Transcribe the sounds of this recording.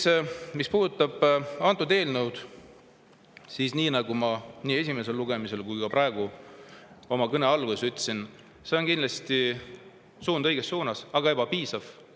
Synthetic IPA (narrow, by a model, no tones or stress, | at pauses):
smispuːd̪̥ut̪ːˑɑb̥ɑnt̪ːˑud̪e̞ːlnəwd̪̥ | sisniːnɑɡ̥umɑniːe̞sʲime̞se̞lluɡ̥e̞mise̞lkujkɑpɾɑeɡ̥u | o̞mɑkɤne̞ɑlɡ̥usyt̪ːˑsin | seo̞nkind̪lɑst̪i | suːnd̪̥ɤ̞jɡ̥e̞sːuːnɑsɑɡ̥ɑebɑpiːsɑv̥